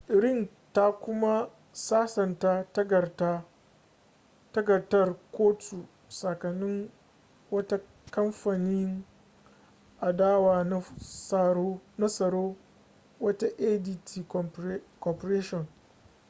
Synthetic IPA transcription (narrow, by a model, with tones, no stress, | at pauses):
ʔɪ˨ɾɪ˦˨n | ta˦kʷʊ˦ma˦ | saː˦sɐ˨ntaː˦tɡɐ˨ta˦ | tɐ˦ɡɐ˨rtɐ˦rkʷoː˦tʰu˨ | sɐ˨kɐ˨nːɪ˦ŋ | wɐ˦ta˦ | kɐ˦mɸa˨nɪ˦ŋ | ʔa˨daː˦waː˨na˦sna˦sɐ˨ɾoː˦ | wɐ˦ta˦ʔe˦di˦tʰi˨˦kɔ˨pɐ˨ɾeː˦ʃɔ˨n